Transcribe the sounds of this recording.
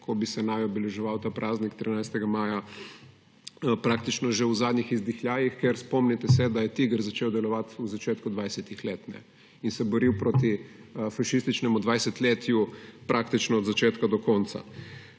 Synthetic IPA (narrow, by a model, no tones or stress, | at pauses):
kʰɔbisɛnajɔbɛlɛʒɛʋawt̪aːpɾʔaːznikt̪ɾinajst̪ɛɡamaːja | pɾak̚t̪it͡ʃnɔʒewzaːd̪nixizd̪ixlʲjaːjixkɛɾspɔmnit̪ɛsɛd̪ajɛt̪iɡəɾzat͡ʃeːwd̪ɛlɔʋat̪uzat͡ʃeːt̪kud̪ʋajsɛt̪ixleːt̪nɛ̰ | insɛbɔɾiwpɾot̪i | faʃist̪it͡ʃnɛmud̪ʋajsɛt̪leːt̪jupɾʔaːkt̪it͡ʃnɔːd̪zat͡ʃeːt̪kad̪ɔkɔnt̪sa̰